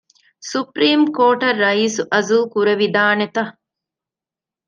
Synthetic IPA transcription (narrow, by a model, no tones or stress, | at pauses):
supɾiːmkoːʈɐrːɐiːsuʔɐzulkuɾeʋid̪aːnet̪ɐ